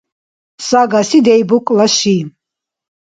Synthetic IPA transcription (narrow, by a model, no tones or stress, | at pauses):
saɡasid̪ɛjbukʼlaʃi